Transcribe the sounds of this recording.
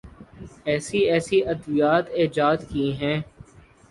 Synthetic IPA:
ɛːsiɛːsiʔɐd̪bijaːt̪eːd͡ʒaːd̪kiɦɛ̃ː

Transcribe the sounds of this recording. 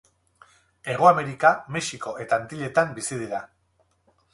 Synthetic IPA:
e̞ɣ̞oame̞ɾikame̞ʃiko̞ʔe̞t̪ant̪iʎe̞t̪ambisið̞iɾa

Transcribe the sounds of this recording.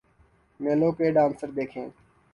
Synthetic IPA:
mẽːloːkeːɖaːnsəɾd̪eːkʰḛ̃ː

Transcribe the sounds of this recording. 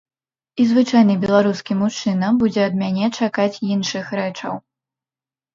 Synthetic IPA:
izvɨt͡ʂajnɨbʲɛlˠaɾuskʲimut͡ʂɨnɐbud͡zʲɛɐd̪̚mʲanʲɛt͡ʂakat͡sʲinʂɨxɾɛt͡ʂɐ̰w

